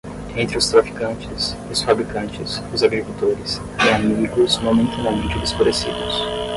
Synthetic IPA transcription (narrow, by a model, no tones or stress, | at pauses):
ẽnt̪ɾɪʊst̪ɾafi̥kɐ̃nt͡ʃɪsiʊsfabɾikɐ̃nt͡ʃɪsʊzaɡɾikulˠt̪oɾɪs | iamiɡʊzmomẽnt̪ɐnamẽnt͡ʃɪd̪ɪspoɾesḭd̪ʊs